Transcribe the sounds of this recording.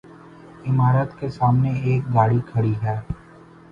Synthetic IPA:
ɪmaːɾət̪kesaːmneeːk̚ɡaːɽikʰɐɽiɦɛː

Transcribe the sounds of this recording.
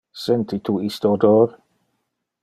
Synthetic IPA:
sɛnt̪it̪ʰuist̪od̪oːɾ

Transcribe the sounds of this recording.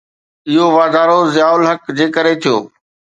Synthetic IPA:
ɪɦoʋaːd̪aːɾozɪjaːʊlɦəkd͡ʑeːkəɾet̪ʰijo̰ː

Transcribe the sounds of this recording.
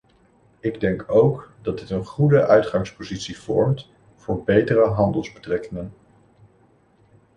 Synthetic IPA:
ɪɡdɛŋkowkdɑd̚dɪtənχudəʔœɥtχɑŋspozitsiv̥ɔɹmt | v̥ʊːɹbejtərəɦɑndəlˠzbətrɛkɪŋən

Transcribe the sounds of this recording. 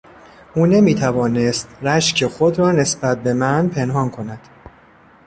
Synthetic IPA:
ʔuːne̞miːt̪ʰævɒːnest̪ɾæʃcʰe̞xod̪ɾɒːne̞sbæt̪̚be̞mænpʰenhɒːnkʰo̞næd̪̥

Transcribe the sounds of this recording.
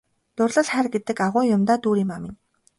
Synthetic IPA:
t̪ʊrɮə̆ɮχærɡet̪ɘ̆kaʁʊːjʊmt̪aːt̪uːɾiːmamɪ̆n

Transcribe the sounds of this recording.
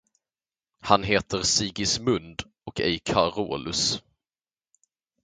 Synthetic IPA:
hanɦeːt̪ʰəɾsiːɡɪsmɵnd̪ | ɔkɛjkʰaɾo̰ːlɵs

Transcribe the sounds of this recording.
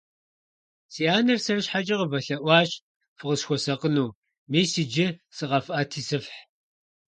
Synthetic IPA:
siːaːnɐrsɐrɨɕħat͡ʃʼɪʁəvɐɬɐʔʷɑːɕ | fɨʁəsxʷɔsɐqənuː | miːsid͡ʒɪsɨʁɐfʔɐtʰiːsɨfħ

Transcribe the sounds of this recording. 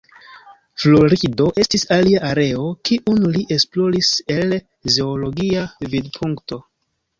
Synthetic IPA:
flo̞ɾido̞ʔe̞stisaliaʔaɾe̞o̞kiʔunliʔe̞splo̞ɾise̞l | zeolo̞ɡiavidpʰuŋkto̞

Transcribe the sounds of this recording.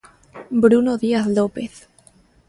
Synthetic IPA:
bɾunoðiaθlopeθ

